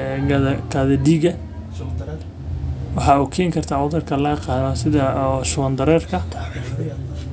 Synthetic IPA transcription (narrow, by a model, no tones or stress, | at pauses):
ɡɐðɐd̪iːɡɐ | wɑħɑːuːkʰɛːŋkʰɐrt̪ʰaːʕʊðɐrkʰɐlɐɡɐqɑːnɔsɪðɐʃʊwɐnd̪ɐɾɛːrkʰɐ